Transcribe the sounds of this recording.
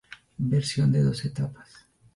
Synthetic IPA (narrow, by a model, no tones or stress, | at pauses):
beɾsjo̞nd̪eðo̞set̪apḁs